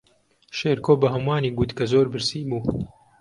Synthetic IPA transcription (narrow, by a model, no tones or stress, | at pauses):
ʃeːɾkoːbɐɦɐmwaːniːɡut̪kɐzoːɾbɨɾsiːbuː